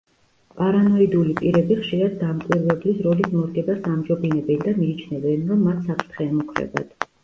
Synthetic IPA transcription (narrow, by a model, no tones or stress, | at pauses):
pʼaɾanɔid̪ulipʼiɾɛbiχʃiɾad̪̚ːamkʼwiɾlɛblisɾɔlismɔɾɡɛbasamd͡ʒɔbinɛbɛnd̪amiːt͡ʃʰnɛvɛnɾɔmːat̪ʰsapʰɾt̪ʰχɛːmukʰɾɛ̰ba̰d̪̥